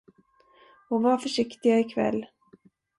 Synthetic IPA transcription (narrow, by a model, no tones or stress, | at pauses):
ɔvafœʂɪkt̪ɪɡaɪkʰvɛ̰lː